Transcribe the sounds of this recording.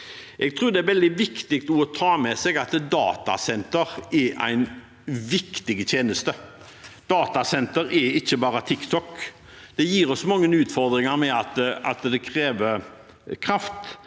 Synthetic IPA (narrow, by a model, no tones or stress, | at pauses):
ʔɛɡ̚t̪ʰɾʉːɾd̪ɛæɾʋɛld̪ɪʋɪkt̪ɪk̚t̪ɔɔt̪ʰɑːmɛsɛɡɑt̪d̪ɑ̰ːt̪ɑ̰sɛnt̪əɾɛʔæ̰ɪn | ʋɪkt̪ɪɡət̪ʰjeːnəst̪ə | d̪̥ɑːt̪ɑsɛnt̪əɾɛɾɪçːəbɑːɾət̪ʰɪkt̪ʰɔkː | d̪̥ɛjiːɾɔsmɑŋːənʉːt̪fɔɾd̪ɾɪŋɑɾmɛɑt̪ɑ̰t̪d̪ɛkʰɾeːʋəɾ | kʰɾɑft̪